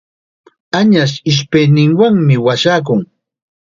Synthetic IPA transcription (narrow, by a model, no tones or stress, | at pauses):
aɲaʃ̬ɪʃ̬pejnɪŋwaŋmɪwaʃaːk̬ʊŋ